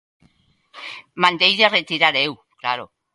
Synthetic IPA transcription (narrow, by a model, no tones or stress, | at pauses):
mand̪ejðeret̪iɾaɾew | klaɾo